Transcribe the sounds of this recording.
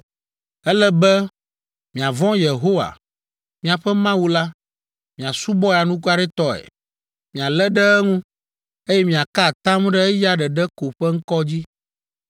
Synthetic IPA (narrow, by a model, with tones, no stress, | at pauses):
ɛ˦lɛ˦bɛ˦ | mĩ˨a˨vɔ̃˦je˨ɦo˦wa̰˨ | mĩ˨a˨ɸɛ˦mã˦wu˦la˦ | mĩ˨a˨su˦bɔ˦ja˨nũ˦k̬u˦a˦ɖɛ˦t̪ɔ˦ɛ̰˨ | mĩ˨a˨lɛ˦ɖɛ˦ɛ˦ŋũ˦ | e˦jɛ˦mĩ˨a˨ka˦˨t̪ã˦m˦ɖɛ˦ɛ˦ja˦ɖɛ˨ɖɛ˦ko˨ɸɛ˦ŋ̩˦kɔ˦d͡ʑi˦